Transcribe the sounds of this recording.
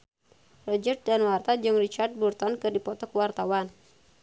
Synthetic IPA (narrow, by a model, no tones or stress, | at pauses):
rɔd͡ʒət̪̚danwart̪ad͡ʒɨŋrit͡ʃart̪̚burt̪ɔnkɨrdipɔt̪ɔkwart̪awan